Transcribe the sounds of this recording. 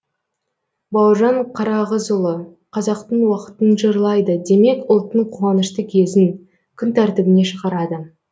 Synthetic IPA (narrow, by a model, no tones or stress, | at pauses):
bɑwʒɑɴqʰɑɾɑʁəzʊlˠə | qʰɑzɑq̚t̪əɴwɑqə̥t̪ənʒəɾlˠɑjd̪əd̪e̞me̞kʊlˠt̪ːəɴqʰuɑnəʃt̪əkʲʰe̞zɪŋ | kʲʰʏnt̪ʰæɾt̪ɪbɪne̞ʃəʁɑɾɑd̪ə